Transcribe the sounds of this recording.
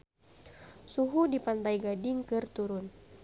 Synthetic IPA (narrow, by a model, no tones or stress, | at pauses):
suɦudipant̪ajɡadɪŋkɨrt̪uɾʊn